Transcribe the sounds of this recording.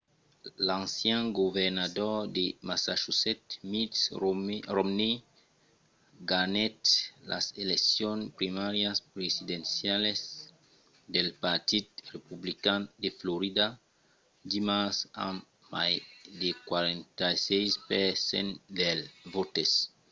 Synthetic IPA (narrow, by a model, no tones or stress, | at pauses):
lãnsjãŋɡoveɾnad̪ɔd̪emasaʃuset̪mitsromne | ɡanet̪lʔa̰seleksjonpɾimaɾjaspɾesid̪ẽnsjales | d̪elpaɾt̪id̪̚republikand̪efloɾid̪a | d̪imasa̰ | ma̰jd̪ekwaɾẽnt̪ajsejspesḛ̃nd̪elvot̪es